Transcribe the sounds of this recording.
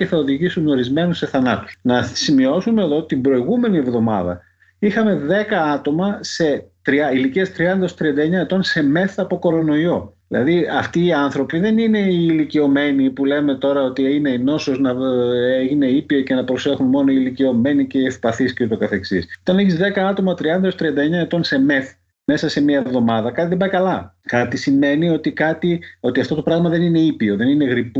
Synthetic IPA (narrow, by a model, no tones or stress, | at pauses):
eθɐoðiʝisuno̞ɾizme̞nusse̞θɐnɐt̪u̥snɐsimio̞sume̞ːðo̞t̪imbɾo̞iɣume̞nie̞vðo̞mɐ̰ðɐ̰ | ixɐme̞ðe̞kɐɐt̪o̞mɐse̞t̪ɾiɐiliciɐst̪ɾiɐnd̪ɐo̞st̪ɾiɐnd̪ɐeɲɐet̪o̞nse̞me̞θɐːpo̞ko̞ɾo̞no̞io̞ðilɐ̰ðiɐft̪iːɐnθɾo̞piðe̞nine̞iːlicio̞me̞nipule̞me̞t̪o̞ɾɐo̞t̪iine̞no̞so̞znɐeʝine̞ipioce̞nɐpɾo̞se̞xunmo̞no̞ilicio̞me̞nice̞efpɐθiscot̪o̞kɐθe̞ksisot̪ɐneçizðe̞kɐɐt̪o̞mɐt̪ɾiɐnd̪ɐost̪ɾiɐnd̪ɐeɲɐe̞t̪o̞nse̞me̞θ | me̞sɐse̞miɐvðo̞mɐðɐkɐt̪iðebɐjkɐlɐkɐt̪isime̞nio̞t̪ikɐt̪io̞t̪iɐft̪o̞t̪o̞pɾɐɣmɐðe̞nine̞ipio̞ðe̞nine̞ɣɾipu